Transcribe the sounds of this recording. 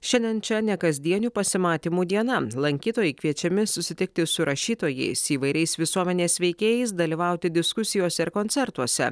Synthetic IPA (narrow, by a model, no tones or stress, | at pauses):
ʃʲɛnd̪ʲɛnt͡ʃʲɛnʲɛkɐzʲd̪ʲiɛnʲuːpɐsʲɪmɑːt̪ʲiːmuːd̪ʲiɛnɐlˠɐŋʲkʲiːt̪oːjɛɪkʋʲiɛt͡ʃʲɛmʲɪsʊsʲɪt̪ʲɪk̚t̪ʲɪsʊɾɐʃʲiːt̪oːjɛ̰ɪsiːʋɐɪɾʲɛɪsʋʲɪsuɔmʲɛnʲeːsʲʋʲɛɪkʲeːjɛɪs̬d̪ɐlʲiːʋɐˑʊt̪ʲɪd̪ʲɪskʊsʲɪjoːsʲɛɪɾkoːnʲt̪ʲɛɾt̪uɔsʲɛ̰